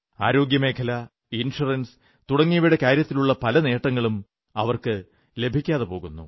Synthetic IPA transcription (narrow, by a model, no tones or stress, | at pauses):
aːɾo̞ːɡjɐme̞ːkʰɐlɐ | inʂurɐns | t̪uɽɐŋːijɐʋiɽekaːɾjɐt̪ːiluɭːɐpɐlɐne̞ːʈːɐŋːɐɭum | ɐʋɐrkɨ | le̞bʱikʲːaːðepo̞ːɣunːṵ